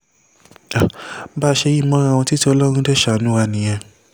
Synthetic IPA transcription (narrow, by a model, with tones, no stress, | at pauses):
a˨˦ba˦˧ʃe˧ji˦˨mɔ̃˦ɾ̃w̃ɔ̃˧ti˦ti˧˦ɔ˧lɔ˦ɾ̃ũ˦dɛ˦ʃa˨˦nũ˦wa˧nĩ˨j̃ɛ̃˧